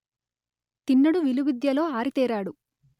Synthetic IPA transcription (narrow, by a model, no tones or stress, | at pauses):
t̪inːɐɽuʋiluʋid̪jɐlo̞ːaːɾit̪ɛːɾaːɽu